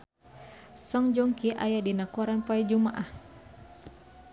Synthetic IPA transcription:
sɔŋd͡ʒɔŋkiʔa̰jadinakuɾanpaɛd͡ʒumaʔah

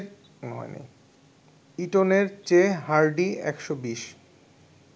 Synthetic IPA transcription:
nɦɔ̰enḭ | iʈoneɾt͡ɕeɦaɾɖiɛ̰kʃobiʃ

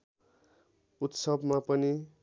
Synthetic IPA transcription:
ut̪sʌbmapʌni

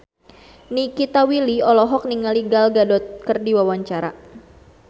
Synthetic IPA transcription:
nikit̪awiliɔlɔɦɔk̚niŋaliɡalɡadɔt̪̚kərdiwawaɲt͡ʃaɾa̰

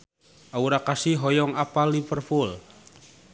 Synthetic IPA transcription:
ʔauɾakasiɦɔjɔŋapalːifərpul

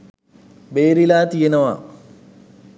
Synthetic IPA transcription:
beːɾilaːt̪ijenɐʋa̰ː

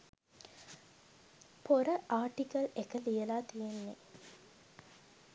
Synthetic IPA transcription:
poɾəʔaːʈikɐlekəlijəlaːt̪ijenːe

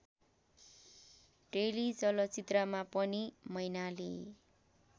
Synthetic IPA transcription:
ʈrelid͡zʌlʌt͡sit̪ramapʌnimʌjnalḛ

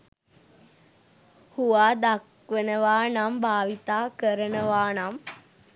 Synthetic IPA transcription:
huʋaːd̪ak | ʋenəʋaːnambʱaːʋit̪aːkəɾənəʋaːnam

